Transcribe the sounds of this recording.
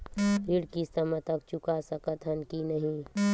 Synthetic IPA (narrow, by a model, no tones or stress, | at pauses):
iɽkisəmət̪ək̚t͡ʃukasəkət̪ʰɦənkinəɦĩ